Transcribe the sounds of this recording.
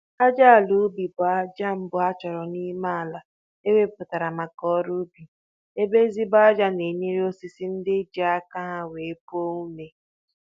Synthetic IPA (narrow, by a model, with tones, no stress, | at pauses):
a˦d͡ʒa˦˨lu˦bi˨bʊ˨a˦d͡ʒa˦m̩˦bʊ˨a˦t͡ʃɔ˨ɾɔ˨ni˦ma˦a˨la˨ | e˦we˦pʊ˨ta˨ɾa˨ma˨kɔ˦ɾu˦bi˨ | e˦be˦zi˦ba˦d͡ʒa˦ne˨ɲi˦ɾi˦o˦si˦sɪ˦n̩˦dɪ˦d͡ʒi˦a˦ka˦ɦa˦we˨e˦po˦ŋu˦me˨